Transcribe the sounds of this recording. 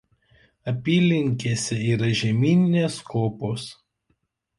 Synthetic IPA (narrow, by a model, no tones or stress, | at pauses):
ɐpʲiːlʲɪŋʲkʲeːsʲɛiːɾɐʒʲɛmʲiːnʲɪnʲeːskoːpoːs